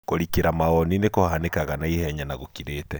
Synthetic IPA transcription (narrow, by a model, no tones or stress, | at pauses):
koɾikeɾamaɣɔninekohanekaɣanaihɛɲanaɣokiɾeːtɛ